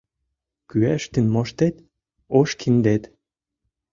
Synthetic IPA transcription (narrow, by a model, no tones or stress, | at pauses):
kyæʃt̪ɘ̆nmoʃt̪et̪ | oʃkʰind̪et̪